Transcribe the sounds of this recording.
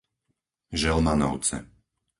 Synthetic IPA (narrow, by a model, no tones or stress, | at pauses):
ʒɛlmanɔ̰ʊt͡sɛ̰